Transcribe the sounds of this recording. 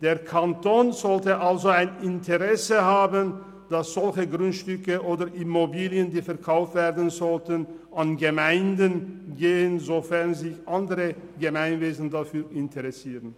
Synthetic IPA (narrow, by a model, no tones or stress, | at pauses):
d̥eːɐkʰantʰoːnzɔltəʔalzoaɪnɪntʰəʁɛsəɦaːbən | d̥asz̥ɔlçəɡʁʊntʃtʏkəʔoːdɐʔimobiːljəndiːfɛɐkʰaʊftv̥ɛːɐʁdən̩zɔltən | ʔanɡəmaɪndənɡeːənzofɛɐʁnzɪçʔandəʁəɡəmaɪnveːzn̩dafyːɪntʰəʁɛsiːʁən